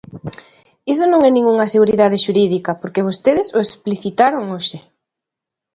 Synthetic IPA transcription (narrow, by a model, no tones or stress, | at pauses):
is̬onõŋɛnĩŋuŋɐseɣuɾiðaðeʃuɾiðikɐpoɾkeβ̞ost̪eðɪsoespliθit̪aɾoŋoʃɪ